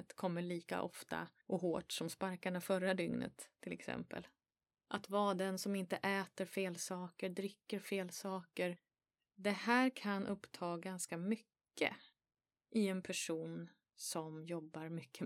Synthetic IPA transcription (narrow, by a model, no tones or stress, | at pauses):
t̪kʰɔmːəɭiːka̰ʔɔ̰ft̪a̰ʔɔɦoːʈsɔmspaɾkaɳafœɾad̪ʏŋnə̰t̪ʰːɪlɛ̰ksɛ̰mpə̰l | ʔat̪vɑːd̪ɛnsɔmɪnt̪əʔɛːt̪əɾfeːlsɑːkəɖ̪ɾʏkːəɾfeːlsɑːkəɾ | d̪ɛhæːɾkʰanʔɵpːt̪ʰɑːɡanskamʏkːə̰ | ʔɪɛnpʰæʂuːn | sɔmjɔbːaɾmʏkːə